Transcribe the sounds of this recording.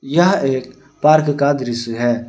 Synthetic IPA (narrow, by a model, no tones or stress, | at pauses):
jɐɦeːk̚ | paːɾkkaːd̪ɾɪsɦɛː